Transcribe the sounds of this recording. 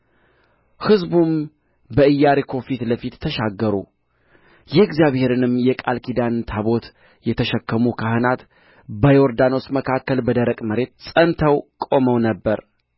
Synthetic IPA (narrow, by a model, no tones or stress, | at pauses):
hɨzbum | bəɨjːaɾekʰo̞fit̪ləfit̪ʰːəʃaɡːəɾṵ | jɛɪɡzijaβhe̞ɾɨnɨmjɛkʼalkʰid̪ant̪ʰaβo̞t̪ | jɛt̪ʰəʃəkːəmukʰahɨnat̪ | bəjoɾd̪ano̞sməkʰakːəlbəd̪əɾəkʼməɾe̞t̪sʼənt̪ʰəwkʼo̞məwnəbːəɾ